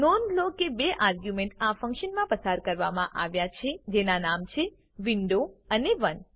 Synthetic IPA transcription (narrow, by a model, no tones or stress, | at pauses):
nonlokebeʔaɾɡjumẽɳʈafə̃ŋkʃənmãpəsaɾkəɾʋamãʔaʋjat͡ʃʰed͡ʒenanamt͡ʃʰe | ʋiɳɖoəneʋən